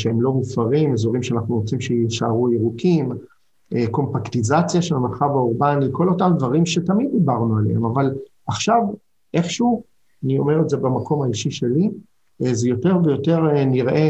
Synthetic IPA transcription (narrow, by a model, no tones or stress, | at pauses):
ʃeemlo̞mufaʁimezoʁimʃeanaχnuʁot͡simʃeiʃaaʁuiʁukʰim | eko̞mpaktizat͡sjaʃelmeʁχavauʁbanleko̞lo̞tamd̪vaʁimʃe̞t̪amid̪̚ːibaʁnualḛemaval | aχʃav | ʔe̞χʃu | anio̞̰me̞ʁedzebamakʰo̞maiʃiʃe̞li | zejo̞te̞ʁvejo̞te̞ʁniʁʔe̞